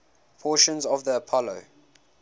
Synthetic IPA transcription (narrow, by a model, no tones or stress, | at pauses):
pʰɔːˑʃə̃nzɔvðiəpʰɔlo̰ʊ